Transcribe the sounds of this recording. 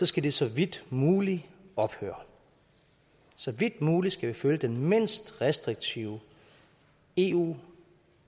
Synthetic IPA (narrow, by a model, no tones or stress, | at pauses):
sɒ̽sɡ̥æd̥esɒ̽ʋid̥muːliɒ̽b̥hø̰ːɐ | sɒ̽ʋid̥muːlisɡ̥æʋiføljəd̥enme̝n̰sd̥ʁɛsd̥ʁiɡ̥̚t͡sʰiʊ | e̝ːṵː